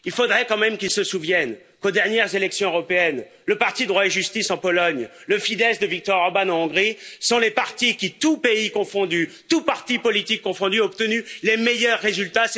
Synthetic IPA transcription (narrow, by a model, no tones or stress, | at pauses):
ilfod̪ʁɛkɑ̃mɛmkʲilsəsuvjɛn | kod̪ɛʁnjɛʁzelɛksjɔ̃øʁɔpeɛn | ləpaʁt̪id̪ʁwaeʒyst̪isɑ̃pɔlɔɲləfid̪ɛsd̪əvik̚t̪ɔʁɔʁbanɑ̃ɔ̃ɡʁisɔ̃lepaʁt̪ikʲit̪upeikɔ̃fɔ̃d̪yt̪upaʁt̪ipɔlit̪ikːɔ̃fɔ̃d̪yɔp̚t̪ənylemejœʁːezylt̪as